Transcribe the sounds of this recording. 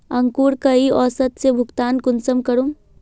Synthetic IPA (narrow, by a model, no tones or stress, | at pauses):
ɐŋkuːɾkɐiɔːsət̪sebʱʊɡt̪aːnkʊnsəmkɐɾum